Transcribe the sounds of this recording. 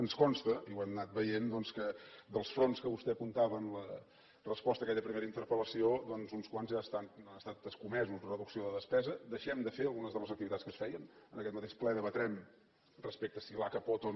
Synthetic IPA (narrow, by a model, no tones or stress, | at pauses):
ənskɔnst̪əiwɛmnat̪̚bəjend̪ɔnskəd̪əlˠsfɾonskəβust̪ɛkunt̪aβəːnlə | rəspɔst̪əːkɛʎəpɾimeɾəint̪əɾpələsiod̪ɔnzunskwanzʒast̪at̪anəst̪at̪əskumɛzuzðrəðuksioðəðəspɛzəd̪əʃɛmd̪əfeəlˠɣunəzðəlˠəzək̚t̪iβit̪atskəsfɛjənənəkɛt̪mət̪eʃplɛðəβət̪ɾɛm | rəspek̚t̪əsilakəpot̪on